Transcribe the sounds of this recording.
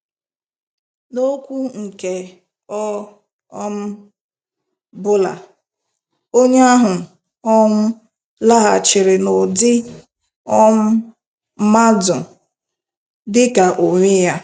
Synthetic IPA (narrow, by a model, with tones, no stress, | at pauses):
no˦kʷu˦ŋ̩˨ke˨ | ɔ˦ | ɔ˦m̩˦ | bʊ˦la̰˨ | o˦ɲ˦a˦ɦʊ˨ | ɔ˦ŋʷʊ˦ | la˦ɦa̰˨t͡ʃɪ˨ɾɪ˨no˨dɪ˦ | ɔ˦ŋ̩˦ | ma˦dʊ˨ | dɪ˦ka˨ʔo˨ɲʷe˦ja˦